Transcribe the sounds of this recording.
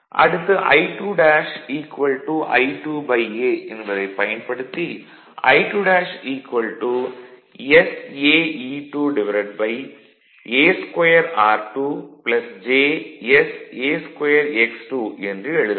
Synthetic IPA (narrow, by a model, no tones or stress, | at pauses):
ʔɐ̰ɽɯt̪ːɨʔɐ̰jʈuːɖaːʃiːkʋɐlʈuʔɐjʈuːbɐjeːendɐðɐɪpɐjɐnpɐɽɯt̪ːi | ɐ̰jʈuːɖaːʂiːkʋɐlʈu | eseːiːʈuːɖɪʋɐɾɐʈ̚bɐj | eːskwɐjɐɾaːɾʈuːplɐsd͡ʒeːeseːskɐjɐɾeksʈuːendrɨɛɻɯðɐ